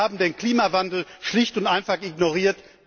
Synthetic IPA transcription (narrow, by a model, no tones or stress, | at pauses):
aːbm̩deːnkl̥iːmavandl̩ʃlɪçtʊntʔaɪnfaχʔɪɡnoʁiːɐt